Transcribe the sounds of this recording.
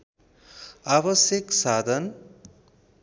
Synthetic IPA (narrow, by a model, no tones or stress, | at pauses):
abʌsjʌksad̪ʱʌn